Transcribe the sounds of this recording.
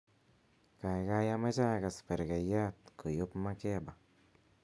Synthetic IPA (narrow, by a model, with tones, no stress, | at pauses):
ka˨jka˦ja˦ma˦t͡ʃa˦ka˨spɛ˨ɾka˨ja˦t̪̚ko˨jo˦pma˦kɛ˦ba˨